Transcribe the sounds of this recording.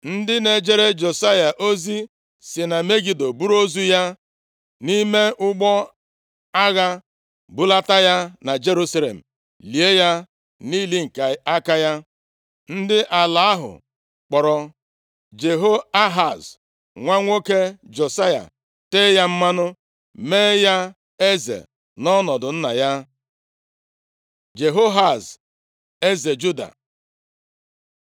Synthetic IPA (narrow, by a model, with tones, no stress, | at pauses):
n̩˦dɪ˦ne˨d͡ʒe˦ɾe˦d͡ʒo˨sa˦ja˨ʔo˦zi˦ | sɪ˨na˨me˦ɡi˨do˨bu˦ɾo˦zu˦ja˦ | ni˦me˦ʔʊ˦ɡ͡bɔ˦ | a˦ɣa˦ | bʊ˦la˦ta˦ja˦na˨d͡ʒe˦ɾu˦sa˦lḛ˨m̩˨ | li˨e˦ja˦ | niː˦li˦ŋ̩˨ka˨a˦ka˦ja˦ | n̩˦dɪ˦ʔa˨la˨a˦ɦʊ̰˨ | k͡pɔ˨ɾɔ˨ | d͡ʒe˨ɦo˦a˦ɦa˨z | ŋʷa˦ŋʷo˦ke˦d͡ʒo˨sa˦ja̰˨ | te˦ja˦m̩˦ma˦nʊ˦ | meː˦ja˦ | e˦zḛ˨ | nɔ˦nɔ˨dʊ˨n̩˦na˨ja˦ | d͡ʒe˨ɦo˦ɦa˨z | e˦ze˨d͡ʒu˦da̰˨